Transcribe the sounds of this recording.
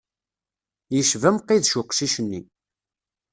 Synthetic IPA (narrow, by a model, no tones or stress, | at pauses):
jəʃvæmqːiðʃʊqʃiʃənːi